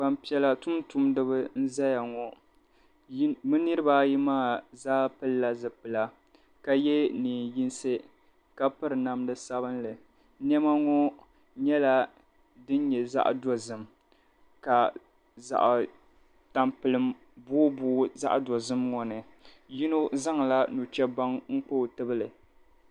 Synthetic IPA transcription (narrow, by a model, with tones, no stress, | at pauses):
ba˨mpi˨ɛ˨la˨tʊ˦mtu˦mdɨ˦bɨ˦n̩˦za˦ja˨ŋɔ˨˦ | mɨ˦nɨ˦ɾɨ˦baː˦ji˦maː˦˨zaː˦pɨ˦lːa˨zɨ˨pɨ˨la˨ | ka˨jɛ˦niː˨ji˦nsɨ˦ | ka˦pɨ˦ɾɨ˨na˨mdɨ˦sa˦bɨ˦nlɨ˨ | nɛ˦ma˦ŋɔ˦ | ɲɛ˦la˦ | dɨ˦n˦ɲɛ˨za̰˦ʔdɔ˨zɨ˨m | ka˨ | za̰˨ʔ | ta˨mpɨ˨lɨ˨m | bʊː˦bʊː˦za̰˦ʔdɔ˨zɨ˦mŋɔ˨nɨ˨ | ji˦no˦za˦ŋ˨la˦nu˨t͡ʃɛ˦ba˦ŋŋ̩˦k͡poː˦˨tɨ˦bɨ˦lɨ˨